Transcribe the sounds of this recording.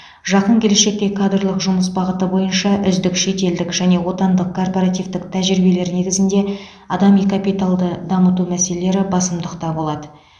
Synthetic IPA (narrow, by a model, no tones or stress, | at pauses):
ʒɑqəŋkʲʰe̞le̞ʃe̞k̚t̪e̞kʰad̪rlˠəqʒʊməsbɑʁət̪əbo̞jənʃɑʔʏzd̪ɪkʃe̞t̪e̞ld̪ɪkʒæne̞wo̞t̪ɑnd̪əq̚kʰːo̞rpo̞ɾat̪ivt̪ɪkt̪ʰæʒɾibe̞le̞ɾɪne̞ɡʲɪzɪnd̪e̞ | ɑd̪ɑmikapijt̪alˠd̪əd̪ɑmət̪umæse̞lele̞ɾɪbɑsəmd̪əqt̪ɑbo̞lˠɑd̪ə